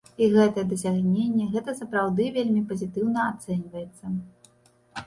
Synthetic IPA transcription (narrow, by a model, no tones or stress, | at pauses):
iɣɛt̪ɐjɛd̪ɐsʲaɣnʲenʲːɛɣɛt̪ɐsɐpɾawd̪ɨvʲelʲmʲipɐzʲit̪ɨwnɐat̪sɛnʲvɐjɛt̪sːɐ